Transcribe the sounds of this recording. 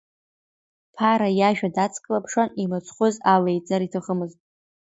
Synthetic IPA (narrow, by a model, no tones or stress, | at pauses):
pʰaɾajaʒᶣadat͡sʰkʼlapʰʂanimɨt͡sʰʼχʷʊzalejt͡sʼaɾitʰɨχəmɨztʼ